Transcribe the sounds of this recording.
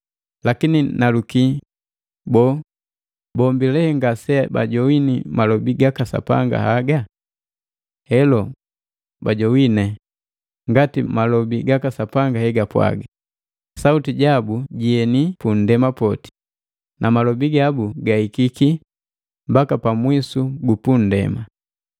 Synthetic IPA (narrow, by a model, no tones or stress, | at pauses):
lakininaluki | bɔ | bɔmbilɛhɛŋɡasɛba̰ɟɔwinimalɔbiɡakasa̰pa̰ŋɡa̰haɡa | hɛlɔ | baɟɔwinɛ | ŋɡatimalɔbiɡakasapaŋɡahɛɡapwa̰ɡa | sautiɟabuɟiɛnipun̩dɛmapɔti̥ | nʔamalɔbiɡabuɡahikiki | mbakapamwisuɡupun̩dɛ̰ma